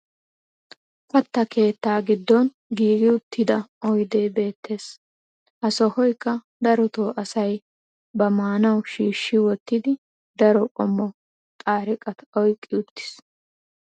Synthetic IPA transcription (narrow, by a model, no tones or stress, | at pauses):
pɐt̪ːɐke̞ːt̪ːaːɡɪd̪ːɔn | ɡiːɡɪʊt̪ːɪd̪ɐɔjd̪eːbe̞ːt̪ːe̞ːs | ʔɐsɔhɔjkːɐ | d̪ɐɾɔt̪oːʔɐsɐj | bɐmaːnɐwʃiːʃːɪwɔt̪ːɪd̪ɪ | d̪ɐɾɔkʼɔmːɔ | t̪ʼaːɾɪkʼɐt̪ɔjkʼːɪʊt̪ːɪ̥s